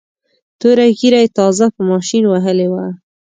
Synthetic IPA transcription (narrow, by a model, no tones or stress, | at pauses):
t̪oɾaɡiɾajet̪ɑzapəmɑʃinwaɦəlewa